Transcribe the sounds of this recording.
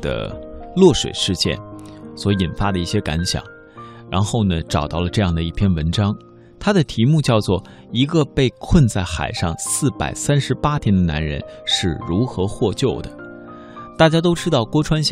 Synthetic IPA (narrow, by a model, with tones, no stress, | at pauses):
d̪ə̰˩lwɔ˥˩ʂwḛ˨˩ɪʂɻ̩˥˧t͡ɕjɛ̰˥˩nswɔ˧˥i˨˩nfa˥d̪ə˨i˥˩ɕjɛ˥ka̰˧˥nɕjɑ̰˨˩˦ŋ | ɻa̰˧˥nxo˥˩ʊnə˩ʈ͡ʂɑ˨˩ʊt̪ɑ˥˩ʊlə˩ʈ͡ʂɤ˥˧jɑ˥˩ŋd̪ə˩i˥˩pʰjɛ˥˩nwə˧˥nʈ͡ʂɑ˥ŋ | t̪ʰa˥d̪ə˨t̪ʰi˧˥mu˥˧t͡ɕjɑ˥˧ʊt͡swɔ˥˩ | i˧˥ɡə˧pe˥˧ɪkʰwə˥˧nt͡sa˥˩ɪxa̰˨˩ɪʂɑ˥˧ŋsɹ̩˥˩pa̰˨˩ɪsa˥nʂɻ̩˧˥pa˥t̪ʰjɛ˥nd̪ə˨na̰˧˥nɻə̰˧˥nʂɻ̩˥˩ɻu˧˥xɤ˧˥xwɔ˥˧t͡ɕjo˥˩ʊd̪ə̰˩ | t̪a˥˩t͡ɕja˥t̪̬o˥ʊʈ͡ʂɻ̩˥t̪ɑ˥˩ʊkwɔ˥ʈ͡ʂʰwa˥nɕ